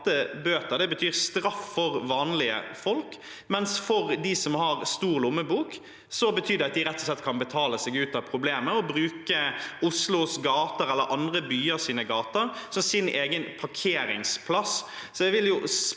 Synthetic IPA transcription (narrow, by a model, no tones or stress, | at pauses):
t̪əbøːt̪əd̪ɛbət̪ʰyːɾst̪ɾɑffɔɾʋɑːnlɪə̰fɔlk | mɛnsfɔɾd̪ɪsɔmhɑɾst̪uːʁlʊmːəbuːk | sɔbət̪ʰyːd̪ɛɑt̪̚d̪ɪɾɛt̪ːɔ̥slɛt̪ːkʰɑnbət̪ʰɑːləsɛɡʉːt̪ɑpʰɾʊbleːməɔbɾʉːkəʊslʊsɡɑːt̪əɾɛlːəɾʔɑnd̪ɾəbyːəɾsiːnəɡɑːt̪əɾsɔmsɪneːɡənpʰɑkʰeːɾɪ̰ŋspʰlɑssɔɛʋɪljʊ